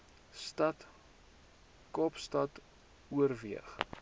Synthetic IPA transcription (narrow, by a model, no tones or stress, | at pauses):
stɐt | kɔpstɐt | uərviəχ